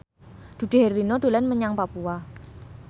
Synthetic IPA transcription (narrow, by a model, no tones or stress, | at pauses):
d̥ṳd̥e̤ɦɛrlinod̥o̤lɛnməɲaŋpapua